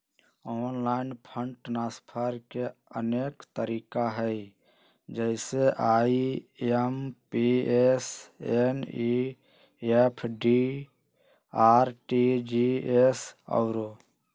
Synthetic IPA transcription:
oːnlaːɪnpʰəɳʈnaːspʰəɾkeə̰neːkt̪əɾiːkaɦəi | d͡ʒəɪseʔaːiempieseni | epʰɖi | aːɾʈid͡ʒiesɔ̰ʊɾo

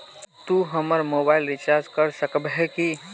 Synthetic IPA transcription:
t̪uɦəməɾmoːbaɪlɾɪt͡ʃaɾd͡ʒkəɾsəkbɦeki

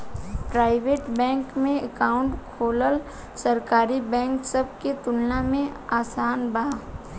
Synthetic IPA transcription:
pɾaːɪʋeːʈbɛ̃ːŋkmẽəkaːʊ̃ɳʈkʰoːləl | səɾkaːɾibɛ̃ːŋksɐb̚ket̪ʊlnamẽaːsaːnba

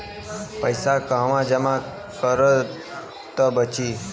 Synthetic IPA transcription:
pəjsakãʋãd͡ʒəmã | kəɾə | t̪əbət͡ʃi

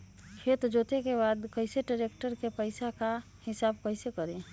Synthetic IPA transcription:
kʰeːt̪d͡ʒoːt̪ekebaːd̪kəɪseɖəɾekʈəɾkepəɪsaka | hɪsaːbkəɪsekəɾẽ

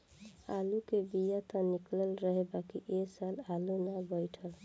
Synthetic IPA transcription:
a̰lukebijat̪ənikləlɾəɦebakiʔesalalunabəjʈʰəl

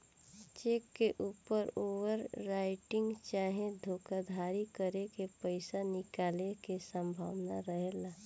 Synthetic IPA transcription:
t͡ʃeːkːeʔuːpəɾoːʋəɾːaːɪʈɪ̃ŋɡt͡ʃaːɦẽd̪ʱoːkad̪ʱaːɾikəɾekepəɪsanɪkaːlekesə̃mbʱa̰ːʋnaɾəɦeːla

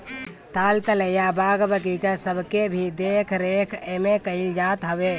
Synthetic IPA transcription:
t̪aːlt̪ələjabaɡbəkit͡ʃəsəbʱkebʱid̪ekʰɾekʰemekəɪld͡ʒaːt̪ɦəbe

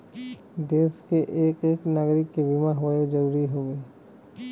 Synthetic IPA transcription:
d̪eːskeʔeːkeːknaːɡɾɪkːebimaɦoed͡ʒɐɾuːɾiɦoːɡəe

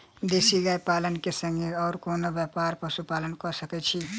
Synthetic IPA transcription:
d̪esiɡajpaːlənkesə̃ŋɡeɔːɾkoːnobjəpaɾpəsupaːlənkɔsəkɛt͡ʃʰi

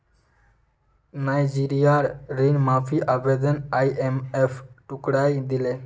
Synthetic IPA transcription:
najd͡ʒiɾijaɾɾinmaːfiʔabed̪ənajemefʈukɽajd̪ile

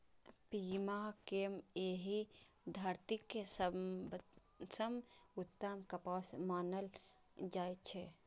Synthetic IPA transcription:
pimakemeɦid̪ʱaɾt̪ikːesə | səmut̪ːəmkəpasmaːnəl | d͡ʒajt͡ʃʰɛ

